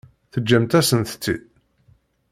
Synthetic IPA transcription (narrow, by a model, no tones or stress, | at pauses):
θəd͡ʒːæmt̪æsənt̪t͡sːḭd̪